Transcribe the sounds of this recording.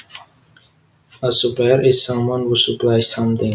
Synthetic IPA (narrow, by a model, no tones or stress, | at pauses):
əsupaɾɪz̥sʌ̃mwʌ̃nhusuplajsʌ̃mt̪ɪ̃ŋ